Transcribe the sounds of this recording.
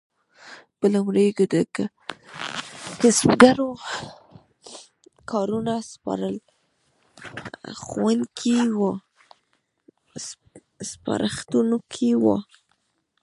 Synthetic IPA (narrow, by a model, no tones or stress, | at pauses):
pəlawɾeɡd̪ək | kasbɡaɾo | kʰɑɾunaspɑ̰ɾəl | xwankʰiwo | spa̰ɾʔaxt̪unokʰiwo̰